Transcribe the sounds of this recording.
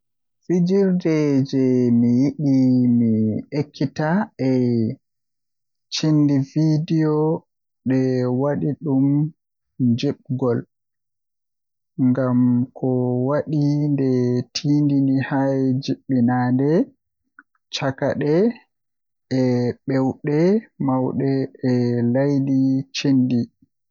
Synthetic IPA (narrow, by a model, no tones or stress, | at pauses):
fid͡ʒiɾdɛd͡ʒɛmijiɗimiekʰːitaɛ | t͡ʃinːdividijɔ | ɗɛwaɗiɗum | d͡ʒɛɓɡɔl | ŋɡamkʰɔwaɗindɛtʰiːndinihajd͡ʒiɓːinaːndɛ | t͡ʃakaɗɛ | ɛɓɛwɗɛmawɗɛɛlajdit͡ʃindi